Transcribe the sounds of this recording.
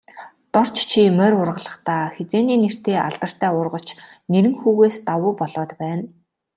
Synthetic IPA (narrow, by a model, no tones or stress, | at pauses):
t̪ɔr̥t͡ɕt͡ɕʰimœɾʊrʁə̆ɮə̆χt̪ʰaːxet͡seːniːner̥t̪eːʔa̰ɮt̪ə̆r̥t̪ʰæːʊrʁə̆ɬt͡ɕ | neɾɘ̆ŋxuːɣeːst̪awʊːpɔɮɔːt̪pæːn